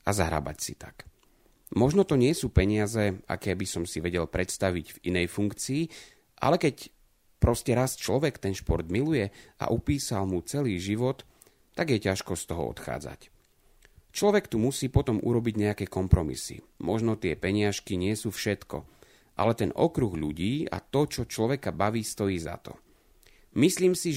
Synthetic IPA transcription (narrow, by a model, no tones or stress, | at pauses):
azaɦɾa̰ba̰csḭt̪ḁk | mɔʒnɔt̪ɔɲɪɛsuːpɛɲɪazɛa̰kɛːbisɔmsiʋɛɟɛlpɾɛt̪st̪aʋiɟvinɛjfuŋkt͡siː | ʔa̰lɛkɛc | pɾɔscɛɾast͡ʃlɔʋɛkt̪ɛnʃpɔɾd̪milujɛa̰ʔupiːsalmut͡sɛliːʒiʋɔt̪ː | aɡjɛcaʃkɔst̪ɔɦɔ̰ɔ̰t̪xa̰ːd͡za̰c | t͡ʃlɔʋɛkt̪umusiːpɔt̪ɔmʔṵɾɔbiɟɲɛjakɛːkɔmpɾɔmḭsḭ | mɔʒnɔt̪ɪɛpɛɲɪaʃkiɲɪɛsuːfʃɛt̪kɔ̰ | ʔa̰lɛt̪ɛnɔ̰kɾuɣʎuɟiːa̰t̪ɔt͡ʃɔt͡ʃlɔʋɛkabaʋiːst̪ɔjiːza̰t̪ɔ̥̰ | misliːmsi